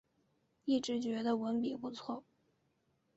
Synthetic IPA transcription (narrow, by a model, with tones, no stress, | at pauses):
i˥˩ʈ͡ʂɻ̩˧˥t͡ɕɥɛ˧˥d̪ə˧wə˧˥npi˨˩pu˧˥t͡sʰwɔ˥˩